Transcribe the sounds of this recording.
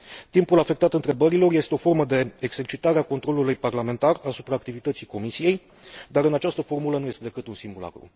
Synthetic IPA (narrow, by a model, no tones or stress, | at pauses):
t̪impulafe̞k̚t̪at̪ɨnt̪ɾe̞bəɾilo̞rje̞st̪e̞o̞fo̞rməd̪e̞ːɡze̞rt͡ʃit̪aɾeakont̪ɾo̞lulujparlame̞nt̪arasupɾaːkt̪ivit̪ət̪sijko̞misije̞j | d̪aɾɨnat͡ʃast̪əfo̞rmulənuje̞st̪e̞d̪e̞kɨt̪unsimbula̰kɾṵ